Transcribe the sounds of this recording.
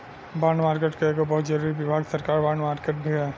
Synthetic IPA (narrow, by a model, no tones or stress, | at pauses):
baːɳmaːɾkeːʈkeeːɡobɔɦʊt̪d͡ʒɐɾuɾiʋɪbʱaːɡsɐɾkaːɾbaːɳɖmaːɾkeːʈ̚bʱiɦɛ